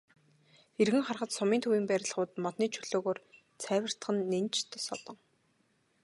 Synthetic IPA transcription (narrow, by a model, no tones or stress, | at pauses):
erɣɘ̆ŋχarχə̆t̪sɔmiːnt̪ʰuwiːmpæɾʲɪ̆ɮχʊːt̪mɔt̪niːt͡ɕʰɵɮ̥oːɣoːr | t͡sʰæːwʲə̆r̥t̪ə̆χə̆nːent͡ɕt̪ʰesɔt̪ɞ̆ŋ